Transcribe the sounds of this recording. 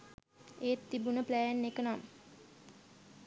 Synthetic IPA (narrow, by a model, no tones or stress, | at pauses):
eːt̪ːibunəplæjænːekənam